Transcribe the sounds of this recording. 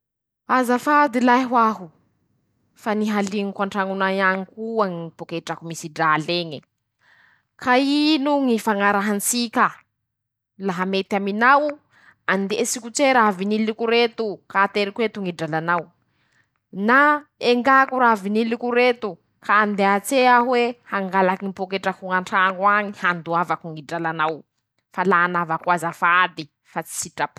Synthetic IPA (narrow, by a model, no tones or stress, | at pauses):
azafad̪ilajɦwaɦu | faniɦaliŋikwaɳʈ͡ʂaŋunaaŋikuaŋipukaiʈ͡ʂakumisiɖ͡ʐaleŋi | kainuŋifaŋaɾaɦant͡sikʲa | laɦamet̪aminaw | and̪esikut͡seɾavinilikuɾet̪ukaːt̪eɾikuet̪uŋiɖ͡ʐalanaw | naeŋɡakuɾavinilikuɾet̪u | kaːnd̪eat͡seaɦwehaŋɡalakiipokeʈ͡ʂakuŋaɳʈ͡ʂaŋaŋihand̪uavakuŋiɖ͡ʐalanaw | falaːnavakwazafad̪i | fat͡si̥siʈ͡ʂap